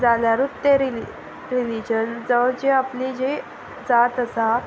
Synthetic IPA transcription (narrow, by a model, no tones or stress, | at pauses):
d͡zaljaɾut̪ːeɾi | ɾilid͡ʑənd͡zəwd͡ʑeaplid͡ʑe | d͡zat̪əsa